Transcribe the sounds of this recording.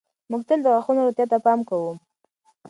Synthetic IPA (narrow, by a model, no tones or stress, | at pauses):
mʊɡ̚t̪əld̪əɣwɑxunoɾʊt̪jat̪apɑmkawum